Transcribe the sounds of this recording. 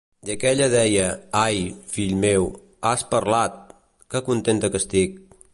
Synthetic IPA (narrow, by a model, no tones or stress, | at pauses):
d̪əkɛʎəðɛjəajfiʎmew | aspəɾlat̪̚ | kəkunt̪ent̪əkəst̪ik̚